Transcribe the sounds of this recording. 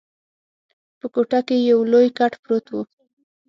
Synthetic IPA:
pəkoʈakejawlojkaʈpɾot̪wu

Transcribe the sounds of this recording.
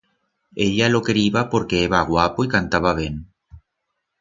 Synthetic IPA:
eʎalokeɾiβapoɾkeeβaɣwapoikant̪aβaβ̞eŋ

